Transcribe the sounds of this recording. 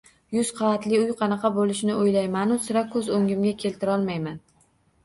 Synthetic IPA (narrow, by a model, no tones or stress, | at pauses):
jʊzqʰɑvat̪lɪʊjqʰɑnɑqʰɑbolɪʃnɪojlajmanʊsɪɾakʰːɵzoŋɡʲɪmɡʲakʲʰe̞lt̪ʰɪɾɒlˠmajman